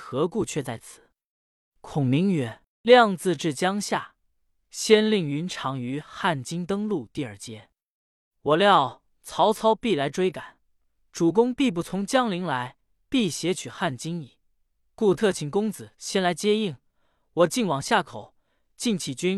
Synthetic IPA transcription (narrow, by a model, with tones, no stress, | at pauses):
xɤ˧˥ku˥˧t͡ɕʰɥɛ˥˧t͡sa˥˩ɪt͡sʰɹ̩̥˨˩˦ | kʰʊ˨˩ŋmi˧˥ŋɥɛ˨˩˦n | ljɑ˥˧ŋt͡sɹ̩˥˧ʈ͡ʂɻ̩˥˩t͡ɕjɑ˥ŋɕja˥˩ | ɕjɛ˥nli˥˩ŋy˧˥nʈ͡ʂʰɑ˧˥ŋy˧˥xa˥˩nt͡ɕi˥ŋt̪ɤ˥ŋlu˥˧t̪i˥˧ə˞˨˩t͡ɕjɛ˥ | wɔ˨˩ljɑ˥˩ʊ | t͡sʰɑ˧˥ʊt͡sʰɑ˥ʊpi˥˩la˧˥ɪʈ͡ʂwe˥ɪka˨˩˦n | ʈ͡ʂu˨˩k̬ʊ˥ŋpi˥˧p̬u˧˥˩t͡sʰʊ˧˥ŋt͡ɕjɑ˥ŋli˧˥ŋla˧˥ɪ | pi˥˩ɕjɛ˧˥t͡ɕʰy˨˩xa˥˩nt͡ɕi˥ŋi˨˩˦ | ku˥˧t̪ʰɤ˥˩t͡ɕʰi˨˩ŋkʊ˥ŋt͡sɹ̩˨˩˦ɕjɛ˥nla˧˥ɪt͡ɕjɛ˥i˥˩ŋ | wɔ˨˩t͡ɕi˥˩nwɑ˨˩ŋɕja˥˩kʰo˨˩˦ʊ | t͡ɕi˥˩nt͡ɕʰi˨˩t͡ɕy˥n